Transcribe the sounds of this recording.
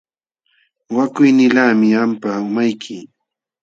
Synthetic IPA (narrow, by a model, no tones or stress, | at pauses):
wakʊjnɪlaːmɪampaʊmajkʰɪ